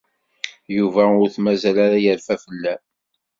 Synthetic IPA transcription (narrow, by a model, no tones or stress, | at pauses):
juvæʊɾθmæzælaɾajəɾfæfəlːæ